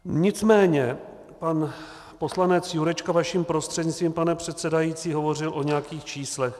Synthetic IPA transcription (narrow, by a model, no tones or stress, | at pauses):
ɲɪt͡smɛːɲɛ | pan | po̞slanɛt͡sjuɾɛt͡ʃkavaʃiːmpɾo̞st̪r̥ɛd̪ɲɪt͡st̪viːmpanɛpr̝̥ɛt̪sɛdajiːt͡siːɦo̞vo̞rɪlʔo̞ɲɛjakiːxt͡ʃiːslɛx